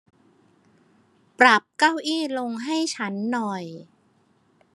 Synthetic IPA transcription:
pɾa˨˩p̚ka˥˩wʔiː˥˩lo˧ŋɦa˥˩jt͡ɕʰa˦˥nːɔ˨˩j

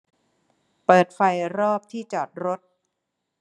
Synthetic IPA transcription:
pɤː˨˩t̪̚fa˧jɾɔː˥˩p̚t̪ʰiː˥˩t͡ɕɔː˨˩t̪̚ɾo˦˥t̪̚

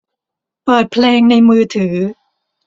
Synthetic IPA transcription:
pɤː˨˩t̪̚pʰleː˧ŋna˧jmɯː˧t̪ʰɯː˩˦

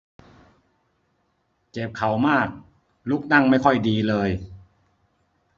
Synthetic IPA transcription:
ke˨˩p̚kʰa˨˩˦wmaː˥˩k̚ | lu˦˥k̚na˥˩ŋma˥˩jkʰɔ˥˩jdiː˧lɤː˧j

